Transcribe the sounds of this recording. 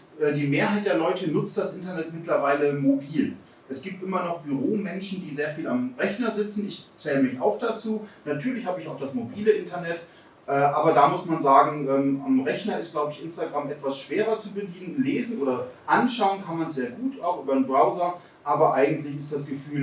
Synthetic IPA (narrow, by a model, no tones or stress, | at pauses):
ʔɛːdiːmeːɐɦaɪt̚d̥eːɐlɔʏtənʊt͡st̚d̥asʔɪntɐnɛtmɪtlɐvaɪləmobiːl | ʔɛsɡ̥iːp̚tʔɪmɐnɔχb̥yʁoːmɛnʃn̩diːzeːɐfiːlamʁɛçnɐzɪt͡sn̩ɪçt͡sɛːləmɪça̰ʊxd̥at͡suːnatʰyːɐlɪçhaːbəɪçaʊxd̥asmobiːləʔɪntɐnɛt | ʔɛːʔaːbɐdaːmʊsmanzaːɡŋ̩ʔɛːmamʁɛçnɐɪstɡ̥laʊbəɪçʔɪnstaɡʁamʔɛtv̥asʃv̥eːʁɐt͡subəliːn̩leːzn̩ʔoːdɐʔanʃaʊənkʰanmansz̥eːɐɡuːtaʊxʔyːbɐdnbʁaʊzɐ | ʔaːbɐʔaɪɡŋ̩tlɪçɪstd̥asɡ̥əfyːl